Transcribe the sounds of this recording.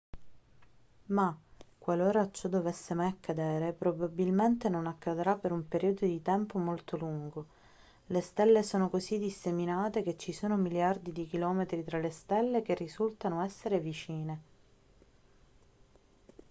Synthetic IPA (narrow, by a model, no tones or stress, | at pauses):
makːwaloːɾat͡ʃːɔd̪ːovɛsːemajakːad̪ɛːɾepɾobabilment̪enonakːad̪ɾapːeɾumpeɾiod̪od̪it̪ɛmpomolt̪oluŋɡo | lest̪ɛlːesoːnokozid̪isːeminaːt̪ek̟et͡ʃːisoːnomiljard̪id̪ikilɔːmet̪ɾit̪ɾalest̪ɛlːek̟erːizult̪anoɛsːeɾevit͡ʃiːne